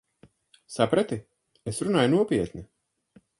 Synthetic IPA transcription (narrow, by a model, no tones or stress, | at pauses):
sapɾat̪i | esɾunaːjnuɔpiɛt̪nʲi